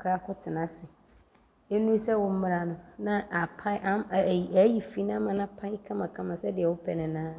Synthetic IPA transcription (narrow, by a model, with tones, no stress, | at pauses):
kʰɾa˦kʰʊ˦tʰɪ˨nã˦sɪ˨ | e˦nũ˦sɛ˦wɔ˨m̩˦mɪ̃˦ɾa˨nʊ̃˨nã˦ʔa˨pʰa˦ʔa˦˨æ˦ji˨fi˦nã˦mã˨nã˦pʰa˦ɪ˦kʰã˦mã˨kʰã˦mã˨sɛ˦dɪ˨ɛ˨wʊ˦pʰɛ˨nɪ̃˨nãː˦